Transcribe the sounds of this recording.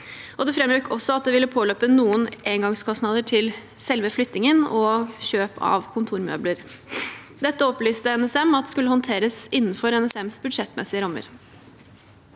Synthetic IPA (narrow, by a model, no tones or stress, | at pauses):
ʔɔd̪ɛfɾɛmj̪ykʰɔsɔɑt̪̚d̪ɛʋɪlːəpʰoːlœpːənuːənʔeːŋɡɑŋskʰɔsnɑːd̪əʈʰɪlsɛlʋəflʏt̪nɪŋənɔçøːpʰɑ̰ʋkʰʊnt̪ʰuːɾmø̰ːbləɾ | d̪ɛt̪ːəɔplyːst̪əɛnɛsɛmɑt̪̚d̪ɛskʉlːəhɔnt̪ʰeːɾəsɪnːnfɔɾɛnɛsɛmsbʉd̪ʂɛt̪ːmɛsɪəɾɑmːə̰ɾ